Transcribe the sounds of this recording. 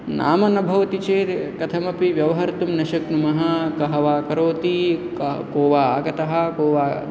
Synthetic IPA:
na̰ːmɐnɐbʱɐʋɐt̪it͡ʃeːɾkɐt̪ʰɐmɐpiʋjɐʋɐɦɐɾt̪umnɐʃɐknumɐɦɐkɐɦɐʋaːkɐɾoːt̪i | koːʋaːaːɡɐt̪ɐɦɐ̆koːʋaː

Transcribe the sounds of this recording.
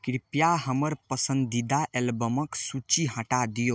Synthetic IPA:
kɾipjaɦəməɾpəsə̃nd̪ːid̪aʔelbəməksut͡ʃiɦə̃ʈad̪ijo

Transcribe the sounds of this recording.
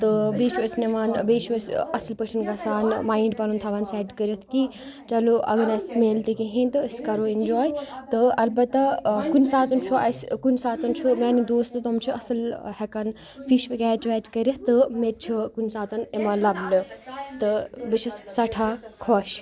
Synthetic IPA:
t̪ɨbeːt͡ʃʰuɐsʲneʋaːnbeːt͡ʃʰusɐsəlpɐʈʰinkɐsaːnmaːiɳɖ̚pɐlunt̪ʰɐʋɐːnsɛːʈkɐɾʲɐt̪ʰki | t͡ʃɐloːʔɐ̰ɡɐnɐsmeːlt̪ikiɦẽnt̪ɨiskɐɾoind͡ʒɔːjt̪ɨɐlbɐt̪ːakunʲsaːt̪ɐnt͡ʃʰuʔɐskunʲsaːt̪ɐnt͡ʃʰumeːnid̪oːst̪ɨt̪omt͡ʃʰuɐsɐlhɛkɐn | fiːʃʋikɛːt͡ʃʋɛːt͡ʃkɐɾʲɐt̪̚t̪ɨmet͡ʃʰukunsaːt̪ɐnemalɐblot̪ɨbɨt͡ʃʰɐsːɐʈʰaːkʰoːʃ

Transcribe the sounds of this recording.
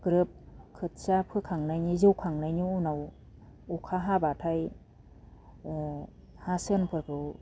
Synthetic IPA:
ɡ̥ɾɯp̚kʰɯt̚sapʰɯkʰaŋnajnizɯwkʰaŋnajniunaw | ukʰaɦabatʰaj | hasɯnpʰɯɾpʰɯw

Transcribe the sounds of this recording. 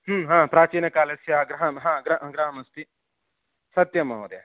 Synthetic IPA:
ɦũɦãːpɾaːt͡ʃiːnɐkaːlɐsjaɡɾɐɦɐmɦãːɡɾɐɡɾaːɦɐmɐst̪i | sɐt̪jɐmɐ̰ʋɐd̪ḛ

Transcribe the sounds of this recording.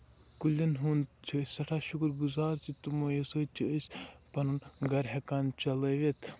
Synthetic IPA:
kulʲinɦunt͡ʃʰisɐʈʰaʃukɾɡuzaːɾt͡ʃʰit̪umojɐsoːt͡ʃʰiəsʲ | pɐnunɡɐɾɦɐkaːnt͡ʃɐlɐʋet̪ʰ

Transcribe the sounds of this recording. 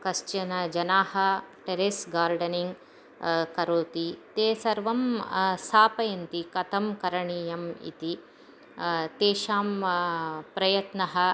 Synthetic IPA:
kɐʃt͡ʃɐnɐd͡ʒɐnaːhɐʈeɾesɡaːɾɖɐniŋɡ | kɐɾoːt̪it̪eːsɐɾʋɐmsaːpɐjɐnt̪ikɐt̪ɐmkɐɾɐɳijɐmḭt̪i | t̪eːʃaːm | pɾɐjɐt̪nɐɦɐ̆

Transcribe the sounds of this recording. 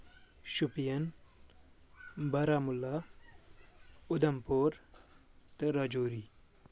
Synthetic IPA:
ʃupijɐn | bɐɾaːmulːa | ud̪ɐmpoːɾ | t̪ɐɾɐd͡ʒoːɾi

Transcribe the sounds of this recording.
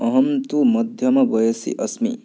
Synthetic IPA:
ʌɦʌmt̪umʌd̪ʱjʌmɐbʌjʌsḭʔʌsmḭ

